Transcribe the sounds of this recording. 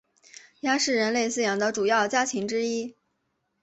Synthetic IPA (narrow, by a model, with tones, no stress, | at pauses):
ja˥ʂɻ̩˥˩ɻə˧˥nle˥˧ɪsɹ̩˥˩jɑ˨˩ŋd̪ə˧ʈ͡ʂu˨˩jɑ˥˩ʊt͡ɕja˥t͡ɕʰi˧˥ŋʈ͡ʂɻ̩˥i˥